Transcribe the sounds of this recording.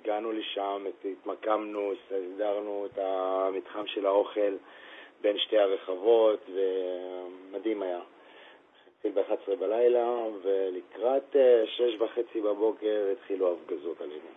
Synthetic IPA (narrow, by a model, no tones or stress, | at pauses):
iɡanuleʃametit̪makamnusasdaʁnuetamit̪χamʃe̞lao̞χe̞lbenʃte̞jhaʁe̞χavo̞t̪ve̞ | madimaja | tχilbeχatsʁebalajlavelikʁat̪eʃleʃvaχe̞t͡sibabo̞ke̞ʁit̪χiluafɡazotalenu